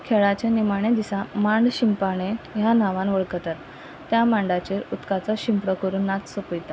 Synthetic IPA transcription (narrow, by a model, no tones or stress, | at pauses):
kʰeɭat͡ɕanimaɽ̃ed̪isãmãɳɖɕimpaɽ̃ejanaʋãnʋəɭkət̪at̪ː | jamãɳɖat͡ɕeɾut̪kat͡sɔɕimpɽəkəɾuːnːat͡s̪səpəjt̪a